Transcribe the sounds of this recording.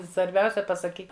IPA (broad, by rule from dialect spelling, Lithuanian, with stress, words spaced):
sʋɐrʲˈbʲɛʊsʲɛ pɐsɐˈkʲiːk